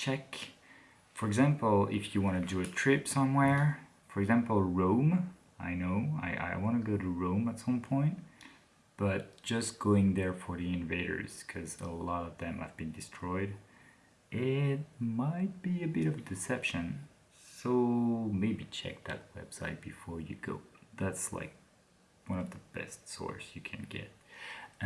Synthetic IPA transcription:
t͡ʃʰɛk | fə˞ɨɡzæ̃mpl̩ˠɪ̰fjɨwɑ̃ñɨdɨɨtʰɹ̥ɪpsʌ̃mwɛɹ | fə˞ɨɡzæ̃mpl̩ˠɹõʊ̃m | a̰ɪnoʊa̰ɪʔa̰ɪwɑ̃ñɨɡoʊɾɨɹõʊ̃mətsʌ̃mpʰɔ̃ɪ̃nt̚ | b̥ʌt̚d̥ʒ̥ʌsɡ̥oʊɪ̃ŋðə˞fə˞ðiɪ̃nɨveɪɾə̰˞z̥kʰʌzə̰lɔɾʌvðɨ̃ma̰ɪvbɨ̃ndɨstʰɹ̥ɔɪd | ʔɪt̚maɪt̚b̥iɨbɪɾʌvɨdɨsɛpʃɨ̃n | soʊmeɪbit͡ʃʰɛ̰k̚ðɨ̰t̚wɛ̰b̥saɪt̚b̥ɨfɔɹjɨ̰ɡo̰ʊðætsla̰ɪk̚ | wʌ̃ñʌvðəb̥ɛ̰stsɔ̰ɹsjɨkʰɨ̰̃nɡ̥ɛ̰t̚

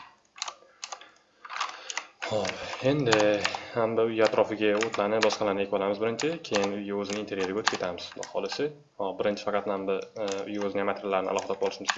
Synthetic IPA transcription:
ɒe̞nd̪ɪhambɪʊjaat̪ɾɒfɪɡʲaot̪ʰlanɪp̚bɒsqʰɑlanɪekʲwɒlamɪzbɪɾɪnt͡ʃʰɪkʲʰe̞jɪnʊjaɵzɪnɪnt̪ʰe̞ɾjeɾɡʲaot̪ʰɪ̥pkʰʲet̪ʰamɪz̥d̪hɒ̰lɪsɪ | hɒbɪɾɪnt͡ʃʰɪ̥fɑqʰɑt̪nambɪʊ̰jɪɵzɪnamat̪ʰɾalaɾɪnɪ̰ʔa̰lˠɒχɨd̪abɒlˠɪʃmɪzʲ

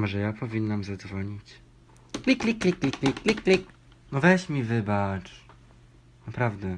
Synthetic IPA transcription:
mɔʐɛjapʰɔvʲinːamzad̪zvɔɲit͡ɕ | klʲiklʲiklʲiklʲiklʲiklʲiklʲik | nɔvɛɕmʲivɘbat͡ʂ | napɾavd̪ɛ

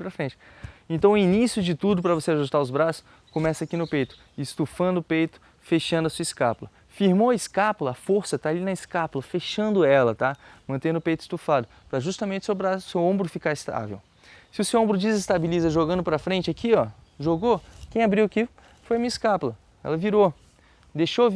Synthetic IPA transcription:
pɾɐfɾẽt͡ʃɪ̥ | ẽnt̪ɐ̃w̃inisjʊd͡ʒɪt̪ud̪ʊpɾɐvoseaʒust̪aɾʊzbɾasʊ̥ | kõmɛsɐakinʊpejt̪ʊ̥ | ɪst̪ufɐ̃nd̪ʊːpejt̪ʊ̥ | feʃɐ̃d̪ʊɐsuɐɪskaplɐ | fiɾmoɐɪskaplɐɐfoɾsɐt̪aːlinɐɪskaplɐfeʃɐ̃nd̪ʊɛlɐt̪amɐ̃nt̪ẽnd̪ʊpejt̪ʊɪ̥st̪ufad̪ʊ | pɾɐʒust̪ɐmẽnt͡ʃɪ̥sewbɾasʊsewõmbɾʊfikaɾɪst̪a̰vḛw | sɪʊsewõbɾʊd͡ʒɪzest̪abilizɐʒoɡɐ̃nd̪ʊpɾɐfɾẽnt͡ʃɪakʰiɔ | ʒoɡokẽj̃abɾiwaki | fojɐmĩɲɪskaplɐ | ɛ̰lɐviɾo | d̪eʃo

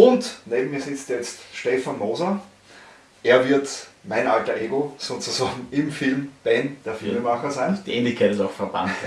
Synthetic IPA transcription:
ʊntneːbm̩miːɐzɪt͡stjɛt͡stʃtɛfanmoːzɐ | ʔeːɐvɪɐtmaɪnaltɐʔeːɡosoːt͡sʊzaːɡŋ̩ɪmfɪlmb̥ɛnd̥eːɐfɪlmemaxɐzæɪnd̥iʔeːnlɪçkʰaɪtɪsaʊxfɛɐb̥a̰nt

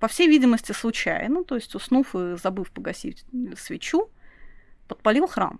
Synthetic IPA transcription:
pɐfsʲejvʲidʲɪməsʲtʲɪslˠʊt͡ɕæ̰jnət̪o̞ɪsʲtʲʊsnufɨzɐbɨfpəɡɐsʲḭsvʲɪt͡ɕu | pət̪̚pɐlʲilˠxɾa̰m

